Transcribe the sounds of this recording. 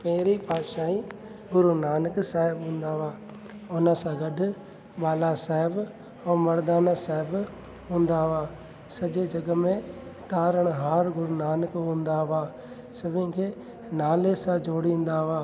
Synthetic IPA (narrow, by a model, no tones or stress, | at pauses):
pɐ̃ɦɪɾipaːd̪ʃaːi | ɡʊɾunaːnəksaːɦɪbɦũːnd̪aʋaː | ʊnəsãɡɐɖʱʊ | ɓaːlasaːɦɪb | õːmɐɾd̪aːnasaːɦɪb | ɦũːnd̪aʋaː | sɐʄed͡ʒɐɡəmẽt̪aːɾəɽ̃ɦaːɾɡʊɾunaːnəkɦũːnd̪aʋaː | sɐbʱɪ̃kʰeː | naːlesãd͡ʒoːɽĩːn̆d̪aɦʋaː